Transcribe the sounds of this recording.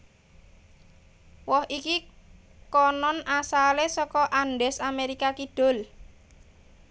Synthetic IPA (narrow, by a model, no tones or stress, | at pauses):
wɔhiki | kɔnɔnasalesɔkɔʔanɖɛsameɾikakiɖ̥o̤l